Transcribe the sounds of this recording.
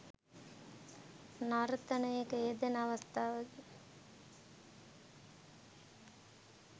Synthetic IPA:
naɾət̪ɐnəjekəeːd̪enɐʋɐst̪ʰaːʋəd̪

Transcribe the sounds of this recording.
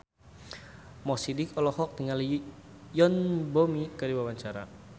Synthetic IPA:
mɔsidɪkɔlɔhɔk̚t̪əŋali | jɔnbɔmikaɾiwawaɲt͡ʃaɾa̰

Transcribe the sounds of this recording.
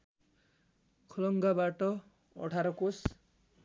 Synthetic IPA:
kʰɔlɔŋɡabaʈɔ | ɔ̰ʈʰaɾɔkus

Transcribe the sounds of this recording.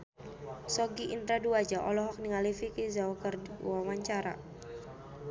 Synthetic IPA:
sɔɡiʔint̪ɾaduad͡ʒaʔɔlɔɦɔk̚niŋalifikizawkərwawaɲt͡ʃaɾa̰

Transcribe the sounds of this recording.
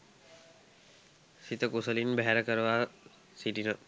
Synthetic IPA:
sit̪əkusəlinbɛɦɛɾəkəɾəʋaː | siʈinə

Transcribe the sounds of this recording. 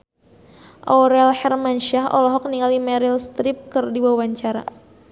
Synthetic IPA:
ʔɔɾɛlhɛrmanʃaɦɔ̰lɔɦɔk̚niŋalimɛɾilst̪ɾɪp̚kɨrdiwawaɲt͡ʃaɾa̰

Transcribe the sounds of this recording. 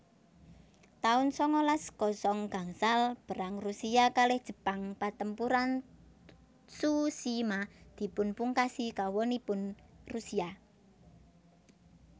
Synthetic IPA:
t̪aʊnsɔŋɔlaskɔsɔŋɡ̥a̤ŋsalb̥ə̤ɾaŋrusiakalɪhd̥ʒ̥ə̤paŋpat̪əmpuɾan | susimad̪̥i̤pʊnpuŋkasikawɔnipʊnrusia

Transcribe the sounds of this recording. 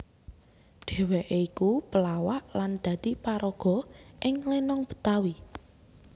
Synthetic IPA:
ɖ̥e̤weʔeikupəlawaʔland̪̥ä̤d̪̥ipaɾɔɡ̥ɔ̤ʔɪŋlenɔŋb̥ə̥t̪awi

